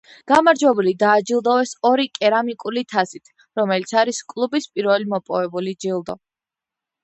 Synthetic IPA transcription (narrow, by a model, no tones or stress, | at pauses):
ɡ̥amaɾd͡ʒwɛbulid̪aːd͡ʒilˠd̪ɔɛsɔɾikʼɛɾamikʼulit̪ʰasit̪ʰ | ɾɔmɛlit̪sʰaɾiskʼlˠubispʼiɾvɛlimɔpʼɔvɛbulid͡ʒilˠd̪ɔ